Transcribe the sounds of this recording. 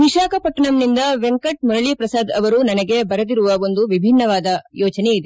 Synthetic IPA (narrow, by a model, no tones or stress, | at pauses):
ʋiʂaːkɐpɐʈːɐɳɐmnind̪ɐʋeŋkɐʈ̚mɔɾɐɭiːpɾɐsaːd̪ɐʋɐɾunɐnɐɡe̞bɐɾɐd̪iɾuʋɐond̪uʋibʱinːɐʋaːd̪ɐjɔːt͡ʃɐne̞id̪e